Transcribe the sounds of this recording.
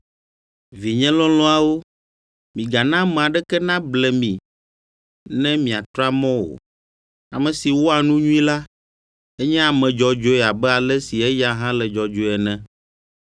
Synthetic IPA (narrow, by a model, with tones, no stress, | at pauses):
vi˨ɲɛ̃˦lɔ̃˦lɔ̃˦a˨wo˦ | mĩ˨ɡa˨nã˦mɛ̃˨a˨ɖɛ˦kɛ˦nã˦blɛ˨mĩ˨ | nɛ̃˦mĩ˨a˨t̪ɾa˦mɔ̃˦wo̰˨ | a˨mɛ̃˨si˨wo˦a˨nũ˦ɲũ˦ĩ˦la˦ | ɛ˦ɲɛ̃˦a˨mɛ̃˨d͡ʒɔ˨d͡ʒo˦ɛ˨a˨bɛ˦a˨lɛ˦si˨ɛ˦ja˦ɦã˦lɛ˨d͡ʒɔ˨d͡ʒo˨˦˨ɛ˨nɛ̃˦